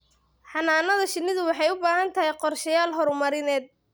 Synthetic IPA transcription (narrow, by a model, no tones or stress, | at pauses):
ħɑnaːnɐðɐʃɪnːɪðʊwɑħɑjʊbaːɦɐnt̪ʰɐɦɛjqɔrʃɐjaːlɦɔɾʊmɐɾɪnɛːd̪̚